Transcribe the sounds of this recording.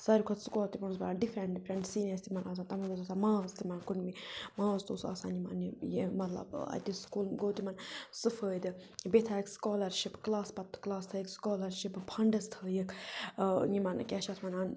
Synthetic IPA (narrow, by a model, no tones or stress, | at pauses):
sɐɾikʰɐt̪skɔːlt̪ipɐnsbɐaɖifɾeɳʈ̚ɖifʰɾeɳʈsiːnɐst̪imɐnaːs̬ãːt̪ɐmɐɡot̪at̪ʰamãːzt̪imɐnkunmimãːzt̪oːsa̰ːsã̰ːnimɐ̰nijemɐt̪lɐ̰bɐ̰d̪iskuːlɡoːt̪imɐnsɨfəːjd̪ɨbet̪ʰaːikskoːlɐɾʃipklaːspɐt̪ːɨ̥klaːst̪ʰɐikskoːlɐɾʃippʰɐɳɖɐst̪ʰəjəkʰ | nimɐnkʲɛʃɐt̪ʰmɐnaːn